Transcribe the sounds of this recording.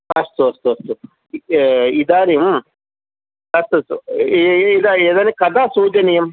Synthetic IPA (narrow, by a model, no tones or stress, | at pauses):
ɐst̪uɐst̪uɐst̪u | id̪aːnim | ɐst̪uɐst̪u | id̪aeːd̪aːnikɐd̪aːsuːd͡ʒ̪ɐnijɐm